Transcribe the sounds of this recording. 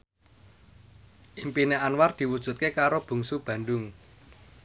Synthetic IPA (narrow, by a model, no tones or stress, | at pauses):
ʔimpineanward̪̥i̤wud̥ʒ̥ṳt̪̚kekaɾob̥ṳŋsub̥ä̤nɖʊŋ